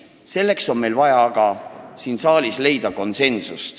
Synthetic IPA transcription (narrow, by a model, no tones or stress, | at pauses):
se̞lːe̞kso̞nme̞jlvɑjɑɡ̥ɑsiːnsɑːlisle̞jd̪ɑko̞nse̞nsust̪